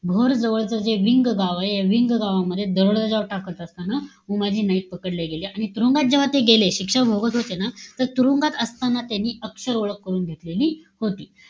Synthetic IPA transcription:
bʱoɾd͡zəʋəɭt͡səɾd͡zeʋiŋɡɡaʋaeeʋiŋɡɡaʋaməd̪ʱːjed̪əɾoɭd̪ad͡zaʋʈakət̪əst̪ana | umad͡ʑʱiːnəik̪̚pəkəɽleɡeleaɽ̃it̪uɾuŋɡat̪̚d͡ʑeʋ̤at̪eɡeleɕikʂəbʱoɡət̪ɦot̪enat̪əɾt̪uɾuŋɡat̪əst̪anːat̪janːiːəksəɾoɭəkːəɾuːnɡ̪ʱet̪leliːhot̪iː

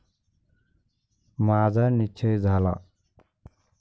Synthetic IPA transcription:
mazanit͡ʃʰɯjzʱala̰

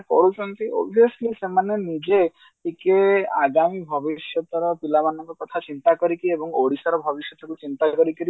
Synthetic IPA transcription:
kɔ̰ɾut͡ʃɔnt̪iɔ̰bʱiɔslisemanenid͡ʒe | ʈikeaɡamibʱɔbiʃjɔt̪ɔɾɔpilabanːɔŋɡɔkɔt̪ʰat͡ʃint̪akɔɾikiiebɔŋoɽisaɾɔbʱɔbiʃjɔt̪ʰɔkut͡ʃint̪akɔɾikiɾi

